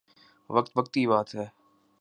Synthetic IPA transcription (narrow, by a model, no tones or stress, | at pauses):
ʋək̚t̪ʋək̚t̪ibaːt̪ɦɛː